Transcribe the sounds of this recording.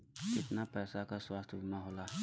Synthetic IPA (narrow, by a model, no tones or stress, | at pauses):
kɪt̪napɛːsakaswast̪ʰbimãɦʊla